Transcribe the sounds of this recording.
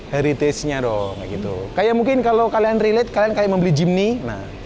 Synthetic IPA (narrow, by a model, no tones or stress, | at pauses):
haɾit̪ɛsɲadɔŋaʔɡit̪ṵkajaʔmuŋkɪnkalokalianrilɛt̪̚kaliankajaʔməmbəlid͡ʒimnina̰h